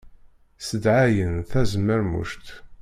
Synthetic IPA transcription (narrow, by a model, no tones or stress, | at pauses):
səd̪ʕajənθæzəmːəɾmṵʃt̪